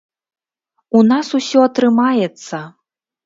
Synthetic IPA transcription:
unasusʲɔɐt̪ɾɨmajɛt̪sːɐ

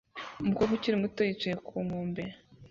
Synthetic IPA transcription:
umukoɡuciɾimutojit͡ʃajekʰuːŋoːmbe

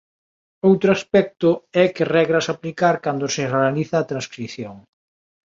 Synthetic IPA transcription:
owt̪ɾoaspɛk̚t̪ʊɛkɪrɛɣɾɐsaplikaɾkand̪ʊsɪrealiθaːt̪ɾãnskɾiθjoŋ

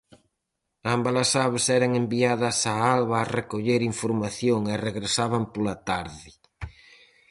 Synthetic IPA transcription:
ambalɐsaβesɛɾɐŋembiaðɐsaalβaːrekoʎeɾiɱfoɾmaθjoŋereɣɾesaβɐmpolat̪aɾðɪ

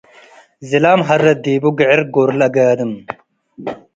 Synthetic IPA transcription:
zilaːmɦɐɾːɐd̪iːbuɡeʕeɾɡoɾlɐɡaːd̪əm

